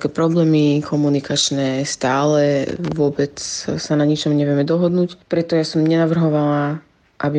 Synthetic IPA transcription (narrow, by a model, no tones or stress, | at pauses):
ɛkɛpɾɔblɛːmikʰɔmunikat͡ʃnɛst̪aːlɛʋʊɔbɛt͡ssanaɲit͡ʃɔmɲɛʋɪɛmɛd̪ɔɦɔd̪nuːcpɾɛt̪ɔjasɔmɲɛnaʋr̩ɦɔʋala | ʔabi